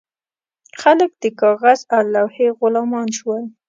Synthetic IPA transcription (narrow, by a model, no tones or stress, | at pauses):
xalək̚d̪̥əkɑɣazawlawheɣʊlɑmɑnʃwəl